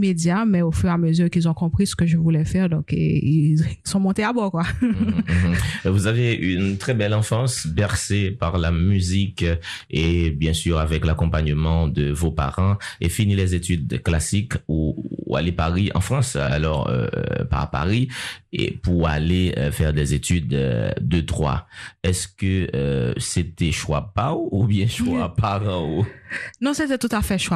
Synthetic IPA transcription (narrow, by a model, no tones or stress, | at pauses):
med̪jamɛofyʁaməzyʁkilzɔ̃kɔ̃pχisə̥kəʒəvulɛfɛʁd̪ɔ̃kḛisɔ̃mɔ̃t̪eabɔʁkwa | vuzaveynt̪χɛbɛlɑ̃fɑ̃sbɛʁsepaʁlamyzikebjɛ̃syʁavɛklakɔ̃paɲəmɑ̃d̪əvopa̰ʁɑ̃efinilɛzet̪yd̪klasikua̰lepaʁiʔɑ̰̃fχɑ̃sa̰lɔʁø̰pa̰ʁpa̰ʁiḛpuʁa̰leøfɛʁd̪ɛzet̪yd̪̰ːət̪ʁwa̰ɛskəøset̪ɛʃwapaoubjɛ̃ʃwapaʁɑ̃onɔ̃set̪ɛt̪ut̪afɛʃwa